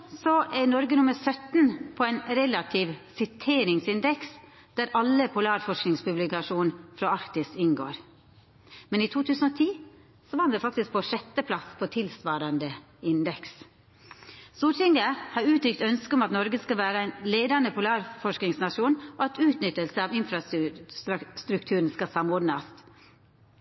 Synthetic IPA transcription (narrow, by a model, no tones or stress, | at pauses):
sɔʔænɔɾɡənʊməɾsœt̪n̩pʰoːæɪnɾɛlɑt̪ʰiːʋsɪt̪ʰeːɾɪŋsɪnd̪ɛks | d̪̥æɾʔɑlːəpʰʊlɑːɾfɔʂknɪŋspʉblɪkɑʂuːnfɾɑɑkt̪ɪsɪnɡo̰ːɾ | mɛniːt̪ʰuːt̪ʰʉːsn̩oːt̪ʰiː | sɔʋɑːʋɛːfɑk̚t̪ɪsk̚pʰɔʂɛt̪ːəpʰlɑspʰoːt̪ʰɪlsʋɑːɾɑnd̪ə | ɪnd̪ɛks | suːʈɪŋɡəhɑːɾʉːt̪ɾʏkt̪œnskəʊmɑt̪nɔɾɡəskɑʋæːɾəæɪnleːd̪ɑnəpʰʊlɑːɾfɔʂknɪŋsnɑʂuːnʔɔɑt̪ʉːt̪nʏt̪ːəlsəɑːʋɪnfɾɑ | st̪ɾʉkt̪ʰʉːɾn̩skɑsɑmɔɖnɑs